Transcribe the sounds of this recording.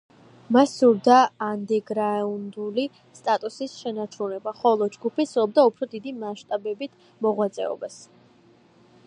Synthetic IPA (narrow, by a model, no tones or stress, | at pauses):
masːuɾd̪aːnd̪ɛɡɾaɛund̪uli | st̪ʼat̪ʼusisʃɛnaɾt͡ʃʰunɛbaχɔlˠɔd͡ʒɡupʰisɾɔb̚d̪aupʰɾɔd̪id̪imaʃt̪ʼabɛbit̪ʰ | mɔʁwat̪sʼɛ̰ɔ̰bas